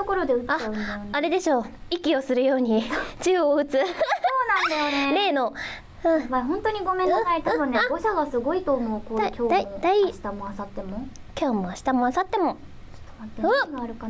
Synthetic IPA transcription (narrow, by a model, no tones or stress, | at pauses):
t̪oko̞ɾo̞d̪e̞ɯ̟aaɯ̃najonaɾe̞d̪e̞ɕo̞ːikʲio̞sɨɾɯ̟jo̞ːɲ̟it͡ɕɨːoɯ̟t͡sɨoːnãnd̪ajoneme̞ːno̞ | ɯ̟̃βaɦõnt̪oɲ̟iɡo̞mẽ̞nãsait̪ãbɯ̃nneoɕaɡasɨɡo̞it̪oːmokodikʲo̥ːaimod̪aiɕi̥t̪amoasat̪ːemo | kʲʰo̞ːmoaɕi̥t̪amo̞asat̪ːe̞mo̞̥ | t̪ḁβat̪ːeɯɡaɾɯ̟ka